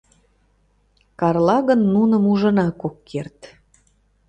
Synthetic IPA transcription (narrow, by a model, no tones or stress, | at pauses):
kɑrlɑɣənːunə̆muʒə̆nɑkokːert̪